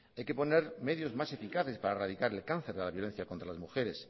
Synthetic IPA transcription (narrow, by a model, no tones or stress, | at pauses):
ajke̞po̞ne̞ɾme̞ðjo̞zmase̞fikaθe̞spaɾarað̞ikaɾe̞lkanθe̞ɾðelaβjo̞le̞n̟θjako̞nt̪ɾalazmuxe̞ɾe̞s